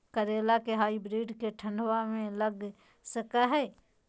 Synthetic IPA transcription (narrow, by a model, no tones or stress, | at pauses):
kəɾeːlakeɦaːibɾiːɖkeʈʰə̃ɳɖwamẽləɡ | səkaɦɛː